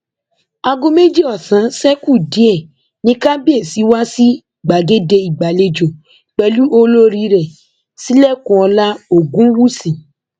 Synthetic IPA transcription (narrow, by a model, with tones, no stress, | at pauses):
a˧ɡõ˦me˦d͡ʒi˦ɔ˦˨sã˨˦sɛ˦ku˦˨di˨˦ɛ˦˨ | nĩ˦ka˦bi˦e˦˨si˨˦wa˦si˦i˨ɡ͡ba˨ɡe˦de˧i˨ɡ͡ba˨le˧d͡ʒo˨ | k͡pɛ˨˧lu˦ʔo˦lo˦ɾi˧ɾɛ˨ | si˦lɛ˦˨kũ˧˦ɔ˧la˦o˦˨ɡũ˦wu˦sĩ˨